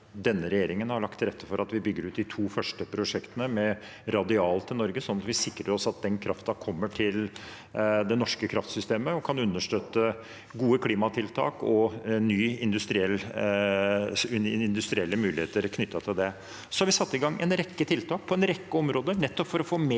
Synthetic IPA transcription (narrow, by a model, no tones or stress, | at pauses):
d̪ɛnːəɾɛjeːɾɪŋənhɑɭɑkt̪ʰɪlɾɛt̪ːəfɔɾɑt̪ʋɪbʏɡːəɾʉːt̪d̪ɪt̪ʰuːfœʂʈəpʰɾʊʂɛkt̪ənəmɛ | ɾɑd̪ɪɑːlt̪ʰɪlnɔɾɡəsɔnːɑt̪ʋɪsɪkːɾəɾɔsɑt̪̚d̪ɛnkʰɾɑft̪ɑkʰɔmːəʈʰɪl | d̪ɛnɔʂkəkʰɾɑft̪sʏst̪eːməɔkʰɑnʉnːəʂʈøːt̪ːə | ɡuːəkʰliːmɑt̪ʰɪlt̪ʰɑ̰ːkɔnyːɪnd̪ʉst̪ɾɪɛlː | ɪɪnd̪ʉst̪ɾɪɛlːəmʉːlɪheːt̪əɾkʰnʏt̪ːɑt̪ʰɪld̪ɛ | sɔ̥hɑɾʋɪsɑt̪ːɪɡɑŋːɛ̰nɾɛkːət̪ʰɪlt̪ʰɑːk̚pʰɔɛnɾɛkːəɔmɾoːd̪ənɛt̪ːɔpfɔɾɔfoːme